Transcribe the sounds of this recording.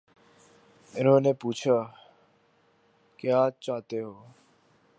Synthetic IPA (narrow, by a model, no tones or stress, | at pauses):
enõːneːpuːt͡ʃʰaː | kjaaːt͡ʃaːt̪eːɦoː